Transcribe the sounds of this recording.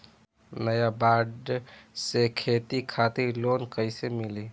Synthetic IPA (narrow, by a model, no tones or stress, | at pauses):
nəjabaɖsekʰet̪ikʰat̪iɾlonkəɪsemili